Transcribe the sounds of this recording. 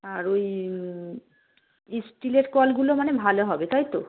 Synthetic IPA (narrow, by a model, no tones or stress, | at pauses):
aɾoj | isʈileɾkɔlɡulomanebʱaloɦɔbet̪ajt̪o